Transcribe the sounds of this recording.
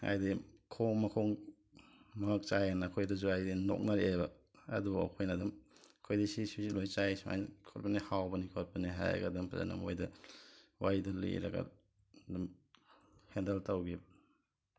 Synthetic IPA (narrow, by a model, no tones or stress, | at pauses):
a̰jdikʰoŋmɐkʰɔŋ | mk̚t͡ʃajanɐːkʰojdɐzuajdino̰k̚nɐɾebɐ | ɐ̰dubɐ̰kʰojnɐdumkʰojdisisisilojt͡ʃajsma̰jnkʰotbɐnihawbɐnikʰot̚pɐniɦa̰j̰ɡɐdɐmpʰaza̰nɐ̰mo̰jdɐ | wajdɐlḛɾɐ̰ɡɐ̰ | dum | hendeltawɡi